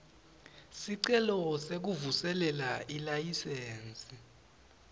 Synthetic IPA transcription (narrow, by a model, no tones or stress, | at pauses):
siǀɛlɔsek̬uvusɛlɛlaʔilajiseːnt͡sʼi